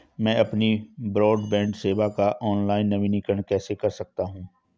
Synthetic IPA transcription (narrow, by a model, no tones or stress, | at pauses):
mɛ̃ːɐpnibɾɔːɖbɛ̃ːɳɖseːʋakaʔɔːnlaːɪnːɐʋĩnɪkəɳkɛːsekɐɾsɐk̚t̪aɦũː